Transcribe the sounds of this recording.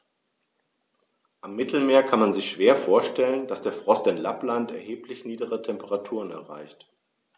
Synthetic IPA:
ʔamːɪtʰl̩meːɐkʰanmanzɪçʃv̥eːɐfoːɐʃtɛlənd̥asd̥eːɐfʁ̥ɔstɪnlaplantɛɐheːplɪçniːdəʁətʰɛmpəʁatʰuːʁənɛ̰ɐʁa̰ɪçt

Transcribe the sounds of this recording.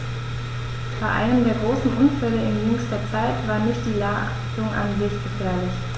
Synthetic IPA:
b̥aɪʔa̰ɪnəmdeːɐɡʁoːsn̩ʔʊnfɛləɪnnuːsd̥eːɐt͡saɪtv̥aːɐnɪçt̚d̥iːlaː | tʊŋʔa̰nzɪçtɡ̥əfɛːɐlɪç

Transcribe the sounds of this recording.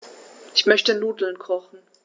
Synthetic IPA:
ʔɪçmœçtənluːdl̩nkʰʁɔχn̩

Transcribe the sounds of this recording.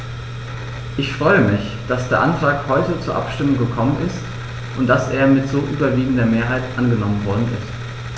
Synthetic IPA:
ʔɪçfʁ̥ɔʏəmɪç | d̥asd̥eːɐʔantʁ̥aːkhɔʏtət͡suːɐʔa̰pʃtɪmʊŋɡəkʰɔmənʔɪst | ʔʊntd̥asʔeːɐmɪtz̥oːʔyːbɐviːɡŋ̩dɐmeːɐɦaɪtʔanɡənɔmənvɔɐdn̩ʔɪ̰st

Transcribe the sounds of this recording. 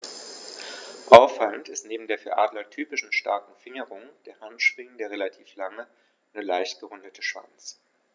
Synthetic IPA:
ʔaʊfaləntɪstneːbm̩deːɐfyːɐʔaːdlɐtʰyːpɪʃn̩ʃta̰ɐkŋ̩fɪŋəʁʊŋd̥eːɐhantʃʁ̥ɪŋəndeːɐʁelatʰiːflaŋə | nəlaɪçtɡ̥əʁʊndətʰəʃv̥a̰nt͡s

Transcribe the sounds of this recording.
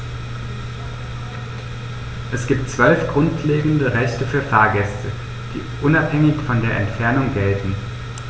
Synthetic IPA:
ʔɛsɡ̥iːp̚tt͡sv̥œlfɡ̥ʁʊntʰleːɡŋ̩dəʁɛçtəfyːɐfaːɐɡɛstʰə | d̥ḭːʔʊnaphɛŋɪçfɔndeːɐʔɛntfɛɐnʊŋɡɛltn̩

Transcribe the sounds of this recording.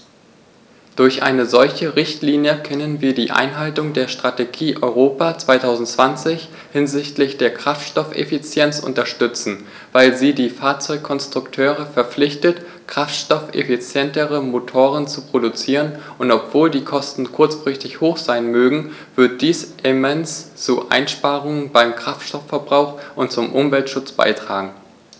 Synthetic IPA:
d̥ʊɐçʔa̰ɪnəzɔlçəʁɪçtliːnjəkʰœnənviːɐdiːʔa̰ɪnɦaltʊŋdeːɐʃtʁ̥ateɡiːʔɔʏʁoːpaːt͡sv̥aɪtʰaʊzn̩tt͡sv̥ant͡sɪç | hɪnzɪçtlɪçd̥eːɐkʁ̥aftʃtɔfḛfit͡sjɛnt͡sʔʊ̰ntɐʃtʏt͡sn̩ | vaɪlziːdiːfaːɐt͡sɔʏkʰːɔnstʁ̥ʊktʰøːʁ̞əfɛɐp͡flɪçtət | kʁ̥aftʃtɔfḛfit͡sjɛntəʁəmotʰoːʁənt͡supʁ̥odut͡siːʁənʔʊntɔpv̥oːldiːkʰɔstn̩kʰʊɐt͡sfʁ̥ɪçtɪçhoːxz̥aɪnmøːɡŋ̩v̥ɪɐt̚d̥iːsʔɪmɛnst͡suʔa̰ɪnʃpaːʁʊŋənbaɪmkʁ̥aftʃtɔfːɛɐbʁaʊxʔʊntt͡sʊmʔʊmvɛltʃʊt͡sb̥a̰ɪtʁ̥a̰ːɡŋ̩

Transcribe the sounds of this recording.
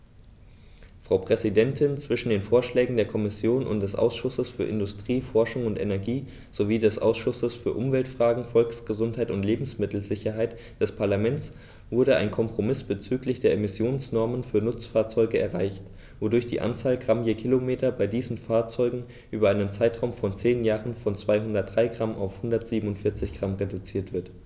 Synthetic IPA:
fʁ̥aʊpʁ̥ɛzidɛntʰɪnt͡sv̥ɪʃn̩deːnfoːɐʃlɛːɡŋ̩deːɐkʰɔmɪsjoːnʊ̰nt̚d̥ɛsʔa̰ʊsʃʊsəsfyːɐʔɪndʊstʁ̥iːfɔɐʃʊŋʊntʔenɛɐɡiː | z̥oviːdɛsʔa̰ʊsʃʊsəsfyːɐʔʊmvɛltfʁ̥aːɡŋ̩fɔlksɡ̥əzʊnthaɪtʊntleːbm̩smɪtl̩zɪçɐɦaɪt | d̥ɛspʰaɐlamɛnt͡s | v̥ʊɐɾəa̰ɪnkʰɔmpʁ̥omɪsb̥ət͡syːklɪçd̥eːɐemɪsjoːnsnɔɐmənfyːɐnʊt͡sfaːɐt͡sɔʏɡəɛɐʁaɪçt | vodʊɐçd̥ḭːʔa̰nt͡saːlɡʁamjeːkʰilomeːtɐbaɪdiːzn̩faːɐt͡sɔʏɡŋ̩ | ʔyːbɐaɪnənt͡saɪtʁ̥aʊmfɔnt͡seːnjaːʁənfɔnt͡sv̥aɪɦʊndɐt̚d̥ʁaɪɡʁamʔa̰ʊfhʊndɐtz̥iːbm̩ʊntfɪɐt͡sɪçɡ̥ʁamʁedut͡siːɐtv̥ɪɐt

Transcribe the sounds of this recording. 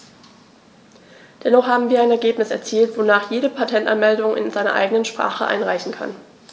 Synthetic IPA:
d̥ɛnɔχhaːbm̩viːɐaɪnɛɐɡeːpnɪsɛ̰ɐt͡siːltv̥onaːχjeːɾəpʰatʰɛntanmɛldʊŋʔɪ̰nzaɪnɐ̰ʔa̰ɪɡənənʃpʁ̥a̰ːχəʔa̰ɪnʁaɪçn̩kʰa̰n

